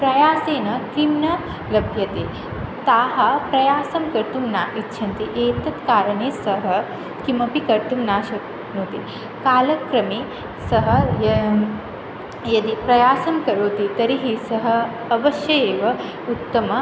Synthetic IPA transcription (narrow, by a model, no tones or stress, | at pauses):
pɾɐjaːseːnɐkɾimnɐ | lɐbʱjɐt̪eː | t̪aːɦɐpɾɐjaːsɐmkɐɾt̪umnaːʔitːʃʰɐnt̪iʔeːt̪ɐt̪kaːɾɐneːsɐɦɐ | kimɐpikɐɾt̪umnaːʃɐk | noːt̪i | kaːlɐkɾɐmiː | sɐɦɐ̆jɐ | jɐd̪ipɾɐjaːsɐmkɐɾoːt̪it̪ɐɾiɦisɐɦɐ̆ | ɐʋɐʃjɐjeːʋɐ | ut̪ːɐmɐ